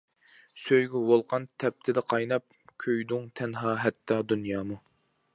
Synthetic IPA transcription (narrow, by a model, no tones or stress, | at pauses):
søjɡʲywolˠqʰɑnt̪ʰɛp̚t̪ʰɪd̪ɛqʰɑjnɑp̚kʲʰøjd̪ʊŋt̪ʰɛnɦɑːɦɛt̪ʰːɑd̪unjɑːmu